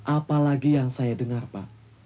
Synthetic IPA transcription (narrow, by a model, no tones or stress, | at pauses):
ʔapalaɡijaŋsajadəŋarpa